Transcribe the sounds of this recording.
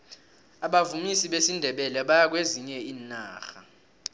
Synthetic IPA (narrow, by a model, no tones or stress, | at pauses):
aɓavumisiɓesindʱɛɓɛlɛɓajak̬weziɲɛiːnaːxa